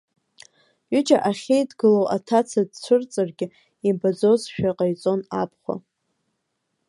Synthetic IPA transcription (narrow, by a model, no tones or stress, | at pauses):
ɥʏd͡ʒʼaʔaχʲejdɡɨlowʔatʰat͡sʰadt͡sʷʰɨrt͡sʼarɡʲɪ | ibad͡zo̞zʃᶣaqʼajt͡sʼo̞napʰχʷa̰